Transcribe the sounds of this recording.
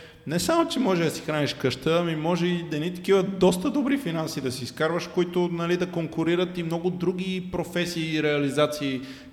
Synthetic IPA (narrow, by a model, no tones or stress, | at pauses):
nɛsamot͡ʃɛmɔʒɛd̪ɐsi̥xɾaniʃkəʃt̪əːmimɔʒɛid̪ɐnit̪ɐ̥k̟ivɐd̪ɔst̪əd̪obɾifinansid̪ɐsiːskaɾvəʃkoit̪ʊnɐlid̪ɐkoŋkʊɾiɾət̪imnɔɡʊd̪ɾuɡ̟ʲipɾofɛsiːɾɛɐlizat̪siː